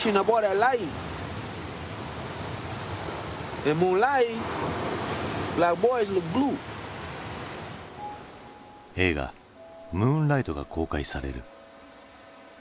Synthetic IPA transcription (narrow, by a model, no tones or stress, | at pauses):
ʃĩnabɔɾəlajĩ | ɛ̃nmũːnla | blaɪk̚bɔjz̬lɨk̚blu | e̞ːɡa̰ | mũːnlait̪o̞ɡa̰kʰo̞ːkaisaɾe̞̰ɾɯ̟̰